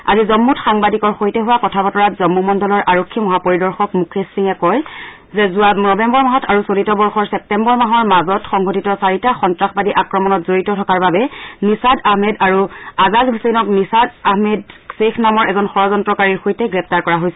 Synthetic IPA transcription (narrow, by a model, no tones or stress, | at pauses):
a̰zizɔmːutxaŋbadikɔɹxojtɛɦʊwakɔtʰabɔtɔɹatzɔmːumɔndɔlɔɹʔaɹokʰːimɔɦapoɹidɔɹxɔkmukʰesiŋɛkɔj | zɛzuanɔbɛmbɔɹmaɦɔtʰaɹusolitɔbɔɹxɔɹsɛp̚tɛmbɔɹmaɦɔɹmazɔtxɔŋɡotitɔsaɹitaxɔntɹaxbadiʔakɹɔmɔnɔtzoɹitɔtʰɔkaɹbabɛnisadaɦmɛdaɹuazalɦusenɔknisadaɦmɛd̚sexnamɔɹɛzɔnxɔɹɔzɔntɹɔkaɹiɹxojtɛɡɹɛp̚ʰtaɹkɔɹaɦojsɛ